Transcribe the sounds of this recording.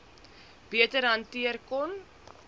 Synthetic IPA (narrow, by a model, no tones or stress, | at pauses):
b̥iətərɦɐntiərkɔn